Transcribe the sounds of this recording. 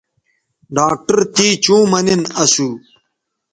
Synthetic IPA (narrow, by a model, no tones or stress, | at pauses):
ɖaːk̚ʈɐɾt̪iːt͡ɕũːmɐninɐsu